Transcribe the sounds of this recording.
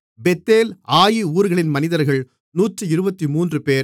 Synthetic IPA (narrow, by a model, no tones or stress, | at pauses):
bɛt̪ːeːlaːjiuːɾɣɐɭɪnmɐnɪðɐɾɣɐɭ | nuːtrɯɪɾɯbɐt̪ːimuːndrɯpeːɾ